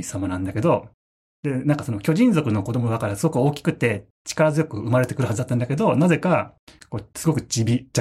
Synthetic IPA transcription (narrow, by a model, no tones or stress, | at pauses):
samanãnd̪ake̞d̪o̞ | d̪e̞nãŋkḁsonokʲo̞ʑĩnd͡zo̞kɯ̟no̞ko̞d̪o̞mod̪akaɾasɨɡo̞kɯ̟oːkʲi̥kɯ̟t̪ːe̞ | t͡ɕi̥kaɾazɨjo̞kɯ̟ɯmaɾe̞t̪e̞kɯɾ̟hazɨd̪at̪ːãnd̪ake̞d̪o̞naze̞kako̞ːsɨɡo̞kɯ̟t͡ɕibʲit͡ɕa